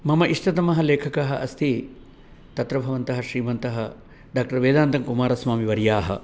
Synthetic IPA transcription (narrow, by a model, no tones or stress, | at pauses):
mɐmɐʔiʂʈɐt̪ɐmɐɦɐleːkʰɐkaɦɐʔɐst̪ʰi | t̪ɐt̪ɾɐbʱɐʋɐnt̪ɐɦɐʃɾiːmɐnt̪ɐɦɐ | ɖaːk̚ʈɐɾʋeːd̪aːnt̪ɐŋkumaːɾɐsʋaːmiʋɐɾjaːɦɐ̰